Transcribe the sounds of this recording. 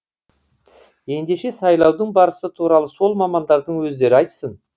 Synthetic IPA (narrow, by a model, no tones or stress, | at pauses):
je̞nd̪e̞ʃe̞sɑjlˠɑwd̪əɴbɑɾəsət̪ʰuɾɑlˠəso̞lˠmɑmɑnd̪ɑɾd̪əɴwɵzd̪e̞ɾɪɑjt̪sən